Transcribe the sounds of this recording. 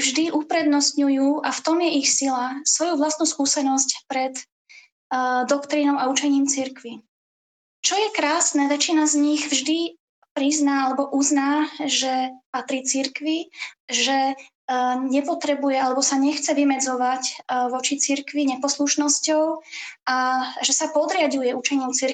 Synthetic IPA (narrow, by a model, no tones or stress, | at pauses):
vʒd̪iʔupɾɛd̪nɔst̪ɲujuːʔaft̪ɔmjɛʔixsilasʋɔjuʋlast̪nuskuːsɛnɔscpɾɛt̪ | d̪ɔkt̪ɾinɔʊaut͡ʃɛɲiːmt͡siɾkʋi | t͡ʃɔjɛkɾaːsnɛːʋɛt͡ʃinazɲiɣvʒd̪i | pɾiznaalɛbɔʔuznaːʒɛpat̪ɾiːt͡siɾkʋiʒɛ | ɲɛpɔt̪ɾɛbujɛalɛbɔsaɲɛxt͡sɛʋimɛd͡zɔʋacʋɔt͡ʃit͡siɾkʋiɲɛpɔsluʃnɔscɔʊaʒɛsapɔd̪ɾɪaɟujɛut͡ʃɛɲiːmt͡siɾ